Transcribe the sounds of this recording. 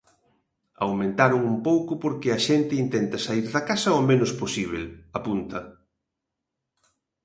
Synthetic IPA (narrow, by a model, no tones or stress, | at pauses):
a̰wmẽnt̪aɾʊŋumpowkʊpoɾkeɐʃent̪ɪint̪ent̪ɐsaiɾðɐkasɐomẽnʊsposiβ̞elapunt̪ɐ